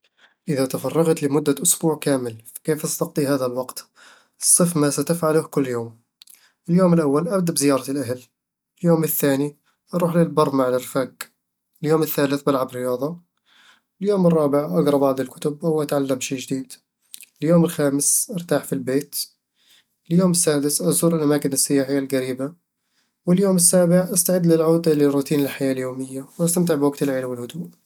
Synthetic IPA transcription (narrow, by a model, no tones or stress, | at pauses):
ʔəðat̪afɑrˤːɑɣt̪ləmʊd̪ːaʔʊsbuːʕkæːməlfi̥kiːfɑst̪ɑqd̪ˤiɦaːðælwɑqt̪ | sˤːəfmasæt̪əfʕalʊhkʊlːjoːm | ʔəljoːməlʔawːalʔabd̪abzɪjɑːɾˤɑt̪əlʔaɦl | əljoːməθːaːni | ʔɑɾˤuːħlilbɑrˤːmaʕlɪrfaɡ | əljoːməθːaːləθbalʕabɾɪjɑːd̪ˤɑ | ɪljoːmɪrˤːɑːbɪʕʔaɡɾˤɑbɑʕd̪ˤɪlkʊ̥t̪ʊbawʔat̪ʕalːamʃiːd͡ʒɪd̪iːd̪ | ɪljoːmɪlxaːmɪsʔɑɾt̪aːħfilbeːt̪ | ɪljoːmɪsːaːd̪ɪsʔɑzˤuːɾɪlʔamaːkɪnɪsːɪjaːħɪjːalɣaɾiːba | wɪljoːmɪsːaːbɪʕʔast̪aʕɪd̪ːlɪlʕuːd̪alɪrːʊːt̪iːnɪlħajaːʔljoːmɪjːawʔast̪amt̪̬ɪʕbwaɡt̪ɪlʕeːlwɪlhʊd̪uːʔ